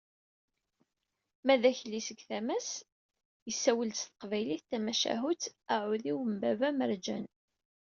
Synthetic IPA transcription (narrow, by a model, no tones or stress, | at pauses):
mæðæçlisəɡθæmæs | jəsːæwəlt̪st̪ə̥qvæjliθt̪æmæʃæ̰ɦut͡sæʕuðiwəmbævæməɾˤd͡ʒæ̰n